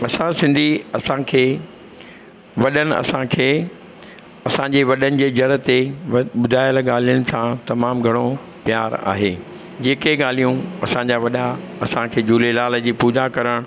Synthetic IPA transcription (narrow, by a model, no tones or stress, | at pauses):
ɐsãsɪ̃nd̪ʱiɐsãkʰeː | ʋɐɗənɪ̆ɐ̰sãkʰeː | ɐsãɲd͡ʑeʋɐɗənɪ̆d͡ʑeːd͡ʑɐɾə̆t̪eɓʊd̪ʱaːɪjəlɠaːl̤ijənɪ̆sãt̪ɐmaːmɡʱɐɽ̃o | pjaːɾa̰ːɦeː | d͡ʑeːkeɠaːl̤ijũɐsãɲd͡ʑaʋɐɗa | ɐsãkʰeːd͡ʑuːlelaːl̤əd͡ʑiːpuːd͡ʑakɐɾəɽ̃